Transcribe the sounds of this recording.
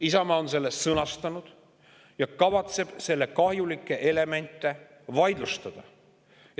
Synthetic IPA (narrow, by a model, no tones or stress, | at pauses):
isɑmɑonse̞lːe̞st̪sɤnɑst̪ɑnud̪̥ | jɑkɑvɑt̪se̞b̥se̞lːe̞kɑhjulikːˑe̞ʔele̞me̞nʲt̪ˑːe̞ | vɑjd̪lust̪ɑd̪̥ɑ